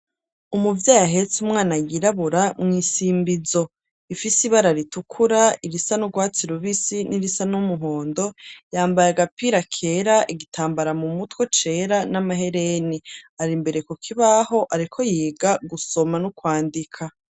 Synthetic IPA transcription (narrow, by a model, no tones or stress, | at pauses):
umuvjaːjaɦe̞t͡sumŋaːnajiɾaβuɾamŋiːsiːmbizo̞ | ifisiβaɾaɾitukʰuɾaiɾisanuɡwaːt͡siɾuβisiniɾisanumuɦoːndo̞jaːmbajaɡapiɾakʰe̞ɾaʔiɡitʰaːmbaɾamumutwe̞t͡ʃe̞ːɾanamaɦe̞ɾeniaɾimbe̞ɾe̞kokʰiβaɦo̞ʔaɾikʰo̞jiːɡaɡuso̞manukwaːndikʰa